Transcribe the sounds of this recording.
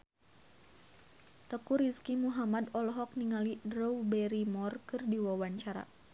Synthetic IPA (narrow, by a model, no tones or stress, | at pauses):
t̪əkuɾiskimuɦamad̪ɔlɔɦɔk̚niŋalidɾɔwbɛɾimɔrkɨrdiwawaɲt͡ʃaɾa̰